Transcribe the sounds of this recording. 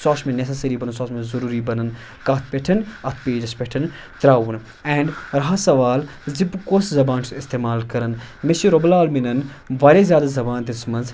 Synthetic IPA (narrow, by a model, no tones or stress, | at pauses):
saːsmẽnes̬ɐsɐɾibɐnɐnsaːsmẽzɐɾuːɾibɐnɐn | kaːt̪̚ʰpʲeʈʰɐnɐt̪ʰpeːd͡ʒɐspeʈʰɐn | t̪ɾaːʋun | ɛ̃ːɳɖɾɐɦasɐʋaːl | zibkoːszɐbaːnsist̪eːmaːlkɐɾɐnmeʃiɾoblaːlminɐn | ʋaːɾezʲjaːd̪azɐbaːnd̪ismɐnz